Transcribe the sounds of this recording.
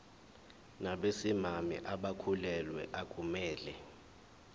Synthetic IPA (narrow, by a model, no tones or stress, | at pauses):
naɓesimamḭʔaɓakʰulɛlwɛ̰ʔakʼumɛːlɛ